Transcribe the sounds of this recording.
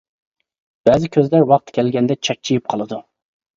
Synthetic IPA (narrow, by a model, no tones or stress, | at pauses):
b̥ɛːzɪkʲʰøzlæɾwɑq̚t̪kʲʰɛlɡʲɛnd̪ɛt͡ʃʰɑk̚t͡ʃʰijip̚qʰɑlˠɨd̪u